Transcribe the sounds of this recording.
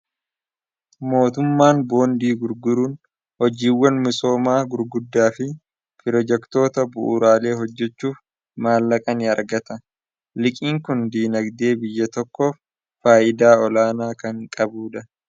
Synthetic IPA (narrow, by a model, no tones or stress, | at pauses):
mo̞ːt̪ʊmːaːnbo̞ːnd̪iːɡʊɾɡʊɾuːn | hɔd͡ʒiːwːɐnmɪso̞ːmaːɡʊɾɡʊd̪ːaːfɪ | pɪɾɔd͡ʒɛkt̪o̞ːt̪ɐbʊʔṵɾaːle̞ːɦɔd͡ʒːɛt͡ʃːuːf | maːlːɐkʼɐnɪɐɾɡɐt̪ɐ | lɪkʼiːŋkʊnd̪iːnɐɡd̪e̞ːbɪjːɐt̪ɔkːoːfː | aːjʔɪd̪aːɔlaːnaːkɐŋkʼɐbuːᶑɐ